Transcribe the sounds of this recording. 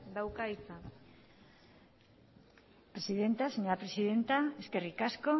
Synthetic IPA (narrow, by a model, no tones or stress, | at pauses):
d̪awkaisa | pɾesiðe̞nt̪aseɲo̞ɾapɾe̞siðe̞nt̪aeskerikasko̞